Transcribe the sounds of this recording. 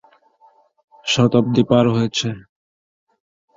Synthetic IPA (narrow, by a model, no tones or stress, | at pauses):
ʃɔt̪op̚d̪ipaɾɦojet͡ɕʰe